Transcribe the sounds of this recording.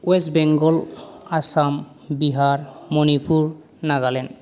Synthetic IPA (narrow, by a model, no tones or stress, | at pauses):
wɛsbɛŋɡɔlasam | biɦaɹmɔnipʰuɹ | naɡalɛn